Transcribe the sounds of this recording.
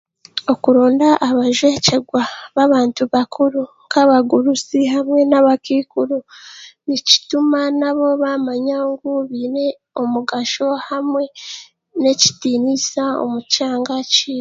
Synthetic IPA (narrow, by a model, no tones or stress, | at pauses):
o̞kuɾoːndaʔːβaʒwe̞ːce̞ɡwaβaβaːntuβakʰuɾuŋkaβaɡuɾusiɦamwe̞naβakiːkuɾuβici̥tumanaβo̞βamaɲaŋɡuβiːɾe̞ | omuɡaʃo̞hamwe̞ | ne̞ci̥tiːnisao̰mucaːŋɡaciː